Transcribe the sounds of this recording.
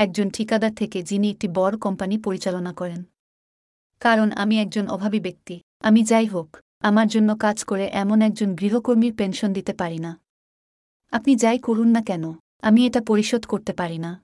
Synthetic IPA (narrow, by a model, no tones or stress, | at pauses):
ɛk̚d͡ʑonʈʰikad̪at̪ʰeked͡ʑiniek̚ʈibɔɾokɔmpanipoɾit͡ɕalonakɔɾen | kaɾona̰miɛk̚d͡ʑonɔ̰bʱabibek̚t̪i | amid͡ʑajɦok | amaɾd͡ʑonːokad͡ʑkoɾeʔɛmonɛk̚d͡ʑonɡɾiɦokoɾmiɾpenʃond̪it̪epaɾina | apnid͡ʑajkoɾunːakɛno | amieʈapoɾiʃod̪ʱkoɾt̪epaɾina